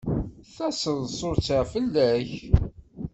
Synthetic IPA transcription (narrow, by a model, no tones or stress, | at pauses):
θæsəðsˤoɾt͡səʁfəlːæç